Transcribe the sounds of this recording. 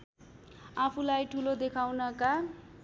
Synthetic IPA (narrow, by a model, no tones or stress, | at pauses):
apʰulajʈʰulod̪ekʰawnʌka